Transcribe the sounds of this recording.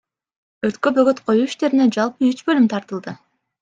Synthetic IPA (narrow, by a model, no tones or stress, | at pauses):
øɾt̪kø̞pø̞ɡøt̪qʰo̞juːiʃt̪e̞ɾined͡ʒɑlˠpɯyt͡ʃbø̞lymt̪ʰɑɾt̪ɯlˠd̪ɯ